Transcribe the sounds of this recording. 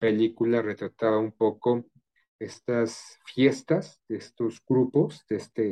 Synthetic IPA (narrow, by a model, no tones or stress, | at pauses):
pe̞likulare̞t̪ɾat̪aβaumpo̞ko | e̞st̪asfje̞st̪azd̪eest̪o̞zɡɾupo̞zd̪est̪e